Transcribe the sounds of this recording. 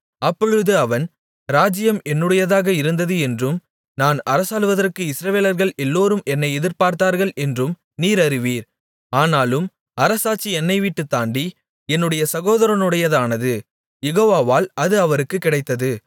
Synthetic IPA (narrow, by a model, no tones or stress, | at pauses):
ɐpːɔɻɯðɯɐʋɐn | ɾaːd͡ʒɪjɐmɛnːɯɽɐjɐðaːɣɐɪɾɯnd̪ɐðɯɛndrɯm | naːnɐɾɐsaːlɯʋɐðɐrkɯɪsɾɐʋeːlɐɾɣɐɭɛlːoːɾɯmʔɛnːɐɪɛðɪɾpaːɾt̪aːɾɣɐɭɛndrɯm | niːɾɐɾɪʋiːɾ | aːnaːlɯm | ɐɾɐsaːt͡ʃːiɛnːɐɪʋiʈːɯt̪ːaːɳɖi | ɛnːɯɽɐjɐsɐɣoːðɐɾɐnɯɽɐjɐðaːnɐðɯ | jɛɣoːʋaːʋaːlɐðɯɐʋɐɾɯkːɯkːɪɽɐɪt̪ːɐðɯ